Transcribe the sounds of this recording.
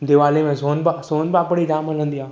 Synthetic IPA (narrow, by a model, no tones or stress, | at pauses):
d̪eʋaːlemẽsoːnbasoːnbapəɽid͡ʒaːmələnd̪ijaː